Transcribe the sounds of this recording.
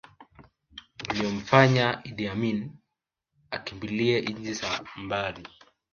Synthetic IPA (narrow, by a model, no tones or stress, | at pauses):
uliɔm̩faɲaidiamin | akimbiliɛʔid͡ʒisambali